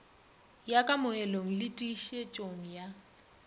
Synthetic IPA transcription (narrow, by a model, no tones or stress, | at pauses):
jakʼamʊɛloŋ̩lɪtʼiʃet͡ʃʼoŋ̩ja